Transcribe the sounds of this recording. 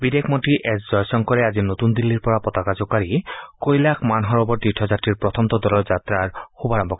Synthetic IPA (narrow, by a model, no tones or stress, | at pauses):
bid̪ekʰmotɾiʔɛsd͡ʑɔjsɔŋkɔɾeazinot̪und̪ilːiɾpɔapɔt̪akad͡ʑokaɾikojlakʰmanɦɔɾɔbɔɾt̪iʈʰːɔd͡ʑat̪ɾiɹpɹɔt̪ʰɔmt̪ɔd̪ɔlɔd͡ʑat̪ɾaɹxubʱaɹɔmbʱɔkɔ